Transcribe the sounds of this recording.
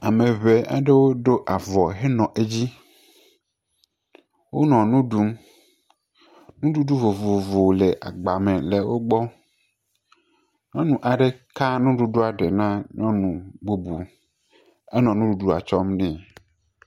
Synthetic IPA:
a˨mẽ˨βe˨ʔa̰˨ɖe˦wo˦ɖo˦ʔa˨vɔ˨ɦe˦nɔ̃˨ʔe˦d͡ʑi˦ | wo˦nɔ̃˨nũ˦ɖu˦m | nũ˦ɖu˦ɖu˦vo˨vo˨vo˨le˨ʔa̰˨ɡ͡ba˨mẽ˨le˨wo˦ɡ͡bɔ˦ | ɲɔ̃˦nũ˨ʔa˨ɖe˨ka˦nũ˦ɖu˦ɖo˦a˨ɖe˨nã˦ɲɔ̃˦nũ˨ɡ͡bo˦bu˨ | e˦nɔ̃˨nũ˦ɖu˦ɖu˦a̰˨t͡ʃɔ˦mnɛ̃˨

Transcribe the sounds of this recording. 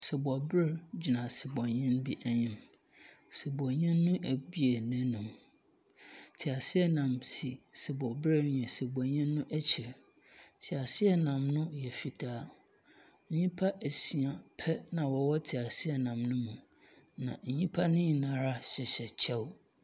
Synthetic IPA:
sɪ˨bɔ˨bɾɪ˦ɾd͡ʑi˨nã˨sɪ˨bɔ̃˨ɲɛ̃˦nbi˦ʔæ˨ɲɪ̃˨m | sɪ˨bɔ̃˨ɲɛ̃˦nːʊ̃˦ʔæ˨bi˦e˨nɛ̃˦nũ˨m | tʰɪ˨a˨sɪ˦ɛ˦nã˨msi˨sɪ˨bɔ˨bɾɪ˦ɲɛ̃˨sɛ˨bɔ˨ɲɛ̃˦nːʊ̃˦ʔæ˦t͡ɕʰi˨ɾ | tʰɪ˨a˨sɪ˦ɛ˦nã˨mnʊ̃˦jɛ˨fi˨tʰaː˦ | ɲĩ˦pʰa˦ʔæ˨si˨a˨pʰɛ˦nã˨wɔ˨wɔ˦tʰɪ˨a˨sɪ˦ɛ˨nã˨mnʊ̃˦mũ˨ | nã̰˨ɲ̩˨ɲĩ˦pʰa˦nʊ̃˦ɲĩ˨nã˨ɾa˦ɕɪ˨ɕɛ˨t͡ɕʰɛ˦w

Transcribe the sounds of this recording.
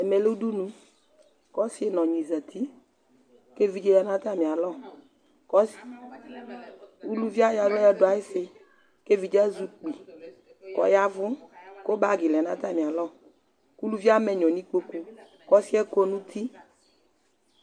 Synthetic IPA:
ɛ˨mɛ˨le˦u˦du˦nũ˦ | kɔ˦si˦e˦nɔ̃˨ɲĩ˨zə˨t̪ʰi˦ | ke˦vi˨˦d͡ʒe˦ja˦nã˦t̪a˦mĩ˨a˨lɔ˦˨ | kɔ˦s | u˦lu˦vi˦a˦ja˨ɡɔ˦jɛ˦dʊ˨˦a˨jɪ˦sɪ˨ | ke˦vi˨d͡ʒɛ˦zu˦k͡pi˨ | kɔ̰˨ja˦vʊ˦ko˦ba˦ɡɪ˨lɛ˨nã˦t̪a˦˨mĩ˨a˨lɔ˦ | ku˦lu˦vi˦a˦mɛ˨ɲɔ̃˨nĩ˦k͡po˦ku˦ | kɔ˦si˦ɛ˦ko˦nũ˦t̪ʰi˦

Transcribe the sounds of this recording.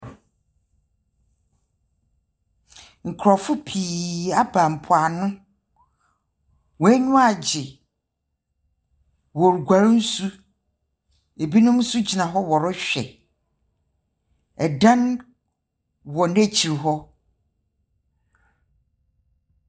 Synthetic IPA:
ŋ̩˨kʰɾɔ˨fʊ˦pʰiː˨a˦bã˨m̩˨pʰʊ˨a˨nʊ̃˦ | wɔ˨˦æ˦ɲʊ̃˦a˨d͡ʑɪ˨ | wɔ˨ɾu˨ɡʷa˨ɾʊ˦n̩˦su˦ | e˨bi˦nʊ̃˦m˦su˦d͡ʑi˨nã˨ɦɔ˦wɔ˨ɾʊ˦ɕᶣɛ̰˨ | ɛ˨dã˦n | wɔ˨næ˦t͡ɕʰi˨ɾɦɔ˦

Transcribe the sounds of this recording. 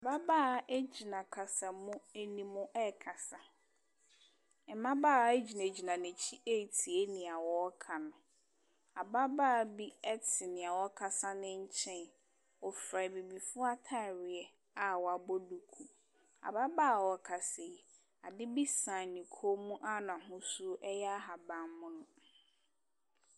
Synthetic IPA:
a˨ba˦baː˦˨e˦d͡ʑi˨nã˨kʰa˨sa˨mʊ̃˦e˦nĩ˨mʊ̃˦ʔɛ˦kʰa˨sa˨ | ɛ˨˦mã˦baː˦˨e˦d͡ʑi˨nã˨d͡ʑi˨nã˨nɪ̃˨t͡ɕʰi˦ʔe˦˨tʰi˨e˦nɪ̃˨a˨wɔ˦kʰa˨nʊ̃˨ | a˨ba˦baː˦˨bi˦ɛ˦tʰɪ˨nɪ̃˨a˨wɔ˦kʰa˨sa˦nɪ̃˦ɲ̩˦t͡ɕʰɛ̃˦n | ɔ˨fɾa˨bi˨bi˨fʊ˦a˦tʰa˦˨ɾɪ˨ɛ˨ | a˨wɔ˨a˨bɔ˦du˨kʰu˨ | a̰˨ba˦baː˦˨wɔ˨kʰa˨se˨ | a˨dɪ˦bi˦sã˨nĩ˨kʰo˦mũ˦ʔa˦nã˨ɦʊ̃˦su˦ʔɛ˦jɛ˦a˦ɦa˨bã˨mmʊ̃˦nʊ̃˦

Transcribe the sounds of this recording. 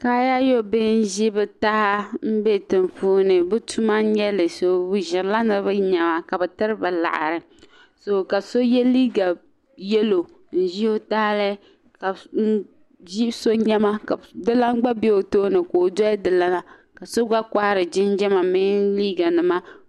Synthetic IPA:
ka˦ja˦jo˦bɪ˦n̩˦ʒi˦bɨ˦ta˦ha˦m̩˦be˦tɨ˨ɱfuː˦nɨ˨bɨ˦tʰu˦ma˦ɲɛ˦lɨ˨so˨bu˦ʒɪ˨ɾla˦nɨ˦bɨ˦ɲɛ˨ma˨ka˨bɛ˨tɨ˦ɾɨ˦ba˨la̰˨ʔa̰˨ɾɨ˨ | so˨ka˨so˦jɛ˦liː˦ɡa˨ | jɛ˦lo˨ | n̩˦˨ʒi˦o˦ta˦lɨ˦ | ka˨n̩˦ | ʒi˦so˦ɲɛ˦ma˦ka˨dɨ˦la˦ŋ͡mɡ͡ba˦be˦o˨toː˦nɨ˨ko˨dɔ˦dɨ˨la˦na˨ | ka˨so˦ɡ͡ba˦ka˦hɾɨ˨d͡ʒɪ˦n˦d͡ʒɛ˦ma˨mi˦liː˦ɡa˨nɨ˨ma˦

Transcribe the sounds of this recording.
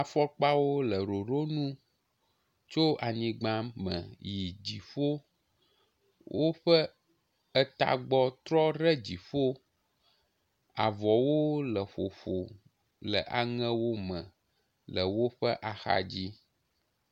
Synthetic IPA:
a˨fɔ˦k͡pa˦wo˦lə˨ɾo˨ɾo˦nũ˦ | t͡ʃo˦a˨ɲĩ˦ɡ͡bã˦mə̰̃˨ji˨d͡ʑi˨ɸo˦ | wʔo˦ɸə˦ | ə˦t̪a̰˨ɡ͡bɔ˦t̪ɾɔ˦ɾɛ˦d͡ʑi˨ɸo˦ | a˨vɔ˨wo˦lə˨ɸo˨ɸo̰˨ | lə̰˨ʔa˨ŋɛ̃˦wo˦mə̃˨ | lə˨wo˦ɸə̰˦ʔa˨xa̰˨d͡ʑi˦

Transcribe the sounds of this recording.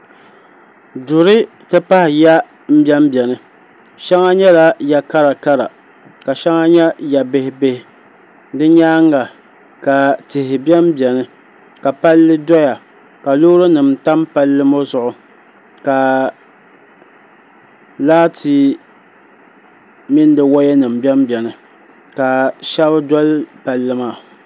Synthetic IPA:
dʊ˨ɾɨ˦ | tɨ˦pa˦hɪ˨ja˦ | m̩˦bjɛ˦m˦bɛ˨nɨ˦ | ʃa˦ŋa˦ɲɛ˦la˦ja˨ka˦ɾa˨ka˦ɾa̰˨ | ka˨ʃa˦ŋa˦ɲɛ˦ja˨be˨hɪ˨be˨hɪ˨ | dɨ˦ɲaː˦ŋa˨ | ka˨tɪ˨hɪ˨bɛ˦m˦bjɛ˨nɨ˦ | ka˨pa˦lːɨ˦dɔ˦ja˨ | ka˨loː˦ɾo˦nɨ˨mta˦mpa˦lːɨ˦mo˦zʊ˨ʔʊ˨ | ka˨ | laː˦tʰi˨ | mɪ˦n˦dɨ˨wa˦jɛ˦nɨ˨m˨bɛ˦mbɛ˨nɨ˨ | ka˨ʃɛ˦bdɔ˦lpa˦lːɨ˦maː˦˨

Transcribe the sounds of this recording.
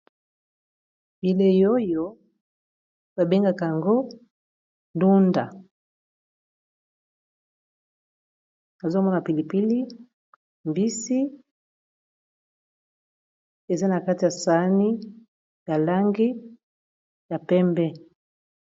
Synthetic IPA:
bi˨le˦jo˦jo˦ | ba˨be˦ŋɡa˦ka˨a˨ŋɡo˦ | ndu˦nda˨ | na˨zo˦mɔ˦na˨pi˨li˨pi˦li˦ | mbi˦si˦ | e˨za˦na˨ka˦ti˨ja˨sa˨˦ni˦ | ja˨la˦ŋɡi˦ | ja˨pɛ˦mbɛ˦

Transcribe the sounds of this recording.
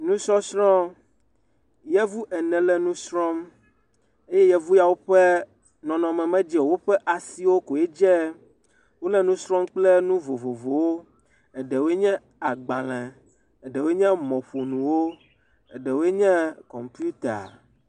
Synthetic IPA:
nũ˦sɔ˦sɾɔ̃˦ | jɛ˦vu˦ʔɛ˨nɛ̃˨lɛ˦nũ˦sɾɔ̃˦m | e˦jɛ˦jɛ˦vu˦ja˨wo˦ɸɛ˦ | nɔ̃˨nɔ̃˨mɛ̃˨mɛ̃˦d͡ʒɛ˦˨wo˦ɸɛ˦ʔa˨si˦wo˦ko˨ɛ˦d͡ʒɛ˦ | wo˦lɛ˦nũ˦sɾɔ̃˦mk͡plɛ˦nũ˦vo˨vo˨vo˨wo˦ | ɛ˨ɖɛ˨we˦ɲɛ̃˦ | a˨ɡ͡bã˨lɛ̃˨ | ɛ˨ɖɛ˨wo˦e˦ɲɛ̃˦mɔ̃˨ɸo˨nũ˨wo˦ | ɛ˨ɖɛ˨wo˦e˦ɲɛ̃˦kɔ˨mpi˦u˦t̪a˨

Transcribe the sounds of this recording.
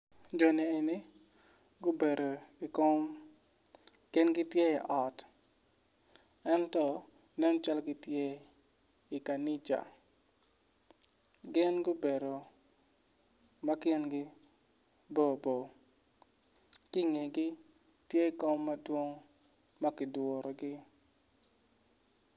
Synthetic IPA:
d͡ʒɔ˨ni˨e˨ni˦ | ɡʊ˦be˨ɾo˨ko˦m | kɪ˦nɡɪ˦tje˦i˨ʔɔ˨t | ɛ˦ntɔ˦ | nɛ˦n˦t͡ʃa˦lɡɪ˦tje˦ | i˨ka˨ni˦t͡ʃa̰˨ | ɡɪ˦nɡʊ˦be˨ɾo˨ | ma˦kɪ˦nɡɪ˦ | bo˦˨bo˨ | kɪ˦ŋe˨ɡɪ˦ | tje˦i˨ko˦mːa˦dwo˦ŋ | ma˦kɪ˨dwo˨ɾɔ˨ɡɪ˦

